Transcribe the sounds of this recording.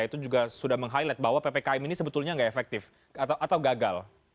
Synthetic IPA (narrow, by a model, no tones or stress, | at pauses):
ait̪ud͡ʒuɡasudahməŋɦalilɛt̪̚bawapapɛkaiminisəbət̪ulɲaŋɡaefɛk̚t̪ɪf | at̪aʔat̪awɡaɡal